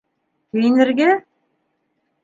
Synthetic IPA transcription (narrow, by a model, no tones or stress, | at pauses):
kɘ̆jnɘ̆ɾɡæ